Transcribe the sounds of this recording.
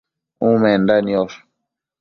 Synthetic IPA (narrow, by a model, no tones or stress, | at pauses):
ũmɛndaniɔɾ